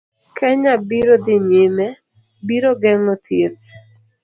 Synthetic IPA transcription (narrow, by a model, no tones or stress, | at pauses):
kʰɛɲabiɾod̪ɪɲemɛ | biɾoɡɛŋɔtʰjet